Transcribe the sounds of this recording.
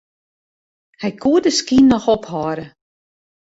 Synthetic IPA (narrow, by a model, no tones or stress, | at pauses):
hɛjkʰuədəskinːɔxɔphɔːɾə